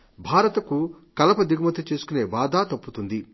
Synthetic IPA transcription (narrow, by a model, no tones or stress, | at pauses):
bʱaːɾɐt̪ɐkukɐlɐpɐd̪iɡɐmɐt̪ɐt͡ʃe̞ːsu̥kune̞ːʋaːd̪aːt̪ɐpːut̪und̪i